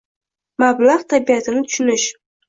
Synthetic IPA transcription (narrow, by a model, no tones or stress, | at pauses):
mablaʁt̪ʰabijat̪ʰɪnɪt̪ʰʊ̥ʃʊnɪʃ